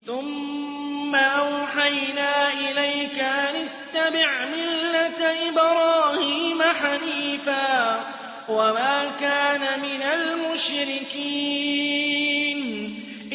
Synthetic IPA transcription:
θʊmː | aʔawħajnaːʔɪlajkaʔanɪt̪ːabɪʕmɪlːat̪ʔɪbɾˤɑːhiːmaħaliːfaː | wamaːkaːnamɪnalmʊʃɾɪkiː | n | ʔ

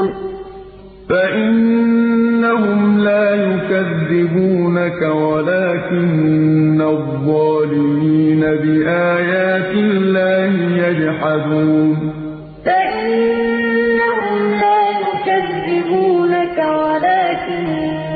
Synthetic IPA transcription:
faʔɪnː | ahʊmlaːjʊkaðːɪbuːnakawalaːkɪnːaðˤːɑːlɪmiiːnabɪʔaːjaːt̪ɪlːaːhɪjad͡ʒħad̪uːn | faʔɪnː | aɦʊmlaːjʊkaðːɪbuːnakawalaːkɪn

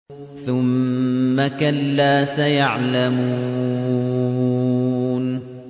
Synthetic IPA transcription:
θʊmːakalːaːsajaʕlamuː | n

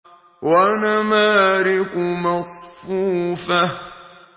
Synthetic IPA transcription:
wanamaːɾɪkʊmɑsˤfuːfa

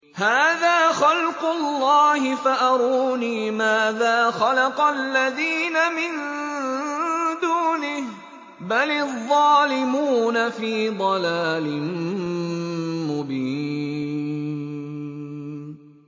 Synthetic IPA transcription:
haːðaːxɑlqʊlːɑːhɪfaʔɑɾˤuːniːmaːðaːxɑlɑqɑlːaðiːnamɪn | d̪uːnɪh | balɪðˤːɑːlɪmuːnafiːd̪ˤɑlaːlɪn | mʊbiː

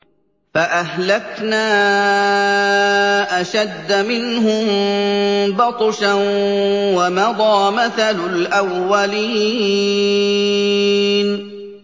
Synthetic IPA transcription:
faʔahlaknaː | ʔaʃad̪ːamɪnhʊm | bɑt̪ˤʃa | wamɑd̪ˤɑːmaθalʊlʔawːaliː | n

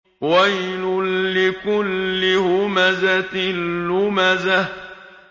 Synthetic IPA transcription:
wajlʊːɪkʊlːɪhʊmazat̪ɪnːʊmaza

